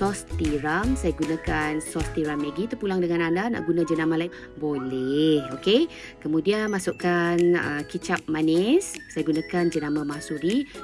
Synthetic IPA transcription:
sɔst̪iɾamsajaɡunãkansɔst̪iɾamːeɡit̪əpulaŋdəŋãnandana̰ʔɡunãd͡ʒənamalaiŋ | bolɛhoke | kəmudianmasʊʔkanə̰kit͡ʃap̚manɛsːajaɡunakand͡ʒənamãmasuɾi

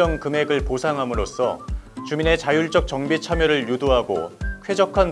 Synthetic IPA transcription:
ʌŋkɯme̞ɡɯɭposʰaŋɦamɯɾos͈ʰʌ̰t͡ɕumine̞t͡ɕajuɭt͡ɕ͈ʌk̚t͡ɕ͈ʌŋbit͡ɕʰamjʌɾɯɭjudoɦaɡo̰kʰwe̞d͡ʑʌkʰan

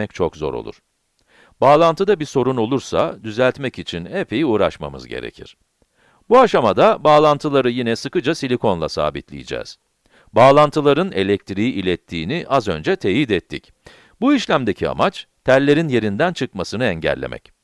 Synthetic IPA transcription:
ɛc̚t͡ʃʰokzo̞̰ɾo̞̰lˠṵɾ̥ | baːlˠant̪ʰɯd̪abiso̞ɾuno̞lˠuɾsa̰d̪yzælʲt̪mɛcit͡ʃʰinepʰejiuːɾaʃma̰mɯ̰zɟe̞̰ɾḛcʰḭɾ̥ | buaʃamad̪abaːlˠant̪ʰɯlˠaɾɯjinɛsɯkɯd͡ʒasilʲikʰo̞nlˠa̰sa̰ːbit̪lʲḭjid͡ʒɛ̰ːz̥ | baːlˠant̪ʰɯlˠaɾɯne̞̰lʲɛk̚t̪ɾijiʔilʲɛt̪ʰːiːniʔazø̞nd͡ʒɛt̪ʰeːjid̪ɛt̪ʰːḭc | buiʃlʲæmd̪e̞cʰia̰mat͡ʃt̪ʰæɾlʲe̞ɾinje̞ɾind̪ænt͡ʃʰɯkmasɯnɯɛɲɟæ̰lʲːḛmʔɛ̰c

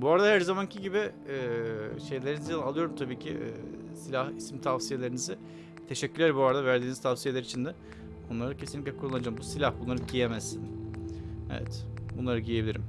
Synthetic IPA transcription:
buaɾad̪ahæɾzamancʰiɟibɪɛːʃe̞jlʲe̞ɾinizianalˠɯjo̞ɾumt̪ʰabiːcʰḭʔː | silʲahismt̪ʰavsije̞lʲe̞ɾinizɪ | t̪ʰe̞ʃɛcʰːyɾlʲæɾbuaɾad̪avæɾd̪iːnizt̪ʰavsijelʲeɾit͡ʃʰind̪ɛ | onlˠaɾɯcʰesinʲiclʲɛkʰuɾulˠand͡ʒambusilʲahbunlˠaɾɯɟijemæzːin | ḛvɛ̰t̪bunlˠaɾɯɟijebilʲiɾim

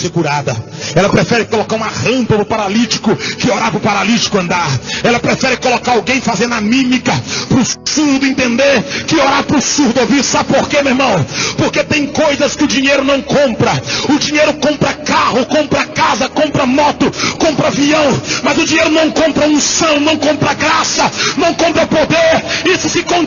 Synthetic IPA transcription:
seɡuɾad̪ɐ̰ | ɛlɐpɾefɛɾɪkolokaɾũmɐʁɐ̃mpɐpɾʊpaɾalit͡ʃi̥kʊkɪoɾaɾpɾʊpaɾalit͡ʃi̥kʊɐ̃nd̪aɾɛlɐpɾefɛɾɪkolokaɾawɡẽj̃fazẽɾd̪ɐmĩmikɐpɾʊsuɾd̪ʊẽnt̪ẽnd̪eɾkɪoɾaɾpɾʊsuɾd̪ʊoviɾsabɪpoɾkemeɾmɐ̃w̃poɾket̪ẽj̃kojzɐskɪʊd͡ʒĩɲejɾʊnɐ̃w̃kõmpɾɐʊd͡ʒĩɲejɾʊkõmpɾɐkahʊkõmpɾɐkazɐkõmpɾɐmɔt̪ʊkõpɾɐviɐ̃w̃mɐzʊd͡ʒĩɲejɾʊnɐ̃w̃kõmpɾɐũsɐ̃w̃nɐ̃w̃kõmpɾɐɡɾasɐnɐ̃w̃kõmpɾɐpod̪eɾisʊsɪkõ

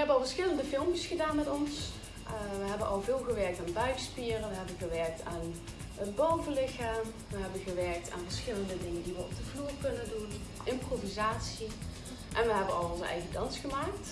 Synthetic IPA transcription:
ɦɛbənɑlˠvəɹsxɪləndəvɪlˠmsxədaːnmɛtɔns | ʋəɦɛbənʔɑ̰lˠvɪːlˠɣəʋɛɹk̚taːnbœɥkspiːərəʋəɦɛbənɣəʋɛɹk̚tʰaːn | ətbowvəlɪxaːm | ʋəɦɛbənɣəʋɛɹk̚tʰa̰ːnvərsxɪləndədɪŋəndiʋəɔ̰b̚d̥əvluːrkɵnəndun | ʔɪmprovizaːtsi | ʔɛnʋəɦɛbənɑlˠɔnzəɛ̰jɣədɑnsxəmaːk̚t

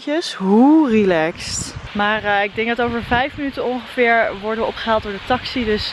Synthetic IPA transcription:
kjəsɦurilɛkstmaːrɪɡ̚dɛŋɡ̚dɑtowvəɹvɛjfmənytənɔŋχəvɪːɹʋɔɹdəʋɔpχəɦaːlˠt̚dʊːɹdətɑksidɵs

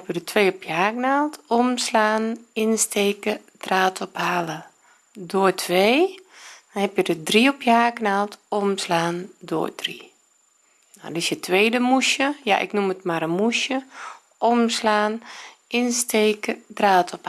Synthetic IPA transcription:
ɛpjədətʰʋeːɔpjaːknaːlˠtʰomslaːnɪnsteːkədraːtʰɔphalə | doːətʰʋeː | nhɛpjədədriɔpjaːknaːlˠtomslaːndo̰ːd̥ri | na̰dɪsjətʰʋeːdəmuʃjəjaʔɪ̰knumətmaɾəmuʃjə | ɔmslaːnɪnsteːkədraːtʰɔp

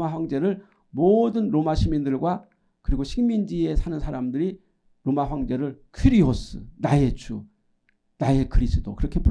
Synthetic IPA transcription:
maɸwaŋd͡ʑe̞ɾɯɭ | modɯnɾomaɕʰimindɯɭɡwa | kɯɾiɡoɕʰiŋmind͡ʑie̞sʰanɯnsʰaɾamdɯɾi | ɾomaɸwaŋd͡ʑe̞ɾɯɭkʰiɾiɦos͈ʰɯ̰naje̞t͡ɕʰu | nae̞kɯɾisʰɯtʰokɯɾʌkʰe̞pu

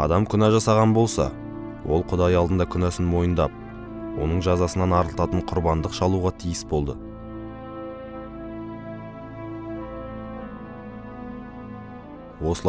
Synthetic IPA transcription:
ɑ̰d̪ɑmkʲʰʏnæʒɑsɑʁɑnbo̞lˠsɑ̰ | wʔo̞̰lˠqʰʊd̪ɑjɑlˠd̪ənd̪ɑkʲʰʏnæsɪnmo̞jənd̪ɑp̚ | wo̞̰nəɴʒɑzɑsənɑnɑɾəlˠt̪ɑt̪əɴqʰʊɾbɑnd̪əqʃɑlˠuʁɑt̪ʰijəsbo̞lˠd̪ə | wo̞səlˠ

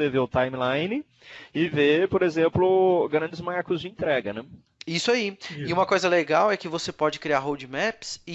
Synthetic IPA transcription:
eveʊt̪ajmɪlãjnɪ | ɪvepoɾezẽmplʊɡɐɾɐ̃nd͡ʒɪzmaɾkʊzd͡ʒɪẽnt̪ɾɛɡɐnɛ | isʊaiɪũmɐkojzɐleɡawɛkɪvosepɔd͡ʒɪkɾiaɾɦowd͡ʒɪmɛpsɪ

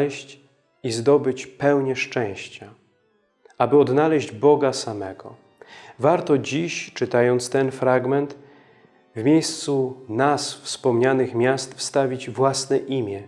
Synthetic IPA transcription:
ɛɕt͡ɕ | izd̪ɔbɘt͡ɕpɛwɲɛʂt͡ʂɛ̃w̃ɕt͡ɕa | abɘɔd̪nalɛʑd͡ʑbɔɡasamɛɡɔ̰ | vaɾt̪ɔd͡ʑiɕt͡ʂɘt̪ajɔnt̪st̪ɛnfɾaɡmɛnt̪ | vmʲjejst̪sunasfspɔmɲanɘxmʲjast̪fst̪avʲid͡ʑvwasnɛʔimʲjɛ

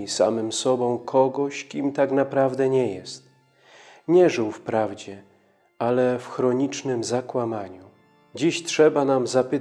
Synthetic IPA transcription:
isa̰mɘmsɔbɔ̃w̃kʰɔɡɔɕkʲimt̪aknapɾavd̪ɛɲɛjɛst̪ | ɲɛʐɘwfpɾavd͡ʑɛ | alɛfxɾɔɲit͡ʂnɘmzakwamaɲu | d͡ʑiɕtʂɛbanamzapɘ

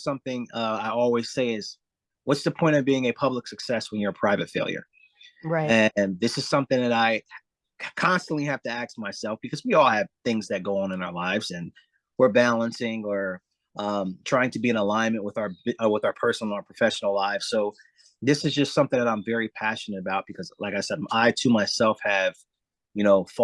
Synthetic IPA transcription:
sʌ̃mθɪ̃ŋʌaɪɔlˠwiz̥seɪɪz̥ | wʌtsðəpʰɔ̃ɪ̃ɾtʌvbiɪ̃ŋɨpʰʌbləksɨksɛswɨ̃njə˞pʰɹ̥aɪvɨtfeɪlˠjə̰˞ | ɹaɪɨ̃nðɪsɨz̥sʌ̃mθɪ̃ŋðɨɾaɪ | kʰɑ̃nstn̩ʔlihæftɨæk̚smaɪsɛlˠfb̥ɨkʰʌzwiɔlˠɨv̥θɪ̃ŋzðɨt̚ɡ̥oʊə̃ŋɨ̃naʊə˞laɪvzɨ̃n | wə˞bælˠə̃nsɪ̃ŋə˞ | ʔʌ̃mtʰɹ̥aɪɪ̃ŋtʰɨbiɨ̃nəlãɪ̃nmɨ̃nʔwəðʊə˞ʌwəðaə˞pʰɜ˞sn̩nə˞pʰɹ̥əfɛʃn̩l̩ˠlaɪfsoʊ | ðɪsɨzd͡ʒʌstsʌ̃mθɪ̃ŋðɨəɾãɪ̃ɱvɛɹipʰæʃɨnɨɾəbaʊt̚b̥ɨkʰʌzlʔaɪkaɪsɛd̚aɪtʰɨmaɪsɛlˠfhɨv̥ | jɨnoʊf

